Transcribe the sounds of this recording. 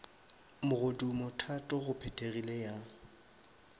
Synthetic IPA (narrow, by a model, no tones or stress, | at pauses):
mʊɣodumʊtʰatʼʊɣʊpʰɛtʼeɣileja